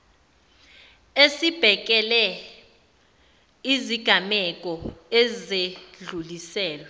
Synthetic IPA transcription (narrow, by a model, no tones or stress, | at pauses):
esib̥ʱɛk̬ʼɛlɛ | iziɡ̥ʱamɛk̬ʼɔɛzeɮulisɛːlwɛ